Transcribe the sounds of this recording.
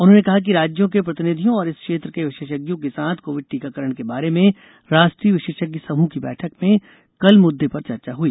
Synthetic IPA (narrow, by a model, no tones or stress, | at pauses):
ʊnɦõːnekɐɦak̬iɾaːd͡ʒjõkepɾɐt̪ɪnɪd̪ʱijõɔːɾɪskʃeːt̪ɾəkeʋɪʃeːʃəɡjõkesaːt̪ʰkoːʋɪɖ̚ʈiːkakɐɾəɽ̃kebaːɾemẽ | ɾaːʃʈɾiːəʋɪʃeːʃəɡjəsɐmukibɛ̰ːʈʰəkmẽ | kɐlmʊd̪ʱːepɐɾt͡ʃɐɾt͡ʃaɦuiː